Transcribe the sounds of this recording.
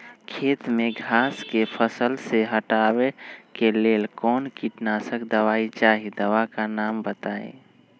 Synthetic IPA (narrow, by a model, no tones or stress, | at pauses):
kʰeːt̪mẽɡʱaːskepʰəsəlseɦəʈaːwekeleːlkɔːnkiʈnasəkd̪əwaːit͡ʃaːɦid̪əʋakanaːmbət̪aːḛ̃ː